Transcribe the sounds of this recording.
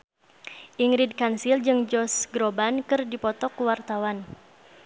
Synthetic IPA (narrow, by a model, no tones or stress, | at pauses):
ʔiŋɾid̚kansild͡ʒɨŋd͡ʒɔsɡɾobankɨrdipɔt̪ɔkuwart̪awan